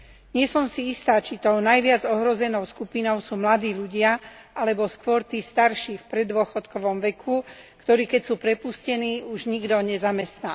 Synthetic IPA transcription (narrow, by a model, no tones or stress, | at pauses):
ɲɪɛsɔmsiist̪aːt͡ʃit̪ɔnajʋɪad͡zɔɦɾɔzɛnɔʊskupinɔʊsuːmlad̪iːʎuɟɪa | ʔalɛbɔskʋʊɔɾt̪iːst̪aɾʃifpɾɛd̪ʊɔxɔt̪kɔʋɔmʋɛkʰukt̪ɔɾiːkɛcsuːpɾɛpuscɛniːuʒɲiɡd̪ɔɲɛzamɛst̪naː